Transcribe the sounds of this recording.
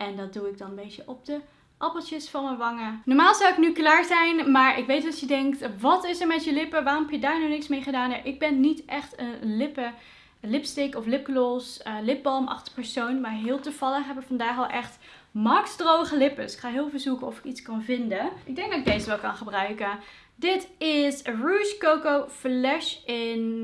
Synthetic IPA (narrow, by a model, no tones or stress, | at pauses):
ɛndɑt̚duɪɡ̚dɑnəmbejtəʔɔb̚də | ʔɑpəl̩ˠtjəsfɑnməʋɑŋənɔɹmaːlˠzɑwɪknyklaːɹzɛjnmaːɹʔɪkʋejtɑsjədɛŋktʋɑtɪsəɹmɛtjəlɪpəʋaːrɔmɦɛpjədaːɹnɔnɪksmejχədaːnəɹʔɪɡ̚bɛnːitʔɛχtənlɪpə | lɪpstekɔflɪp̚kəloslɪp̚bɑlˠmɑ̰χtə̥pɛɹsownmaːɹɦɪːlˠtəv̥ɑlˠəχɦɛbɪkfɑndaːχɛlˠʔɛχt | mɑksdrowχəlɪpəsɪ̥kχaːɦɪːlˠvəlzukənɔfɪ̥kitskɑnvɪndəʔɪɡ̚dɛŋɡ̚dɑtɪɡ̚dejzəʋɛlˠkɑ̰nχəbrœɥkən | dɪtɪsruskowkowflɛʃɪn